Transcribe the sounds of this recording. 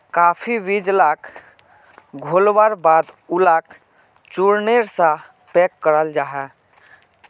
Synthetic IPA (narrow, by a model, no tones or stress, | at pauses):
kaːpʰiʋid͡ʒlakʰ | ɡʱolwaɾbaːd̪ulaːk | t͡ʃuɾneɾsã | pɛkːəɾəld͡ʒaːɦɛ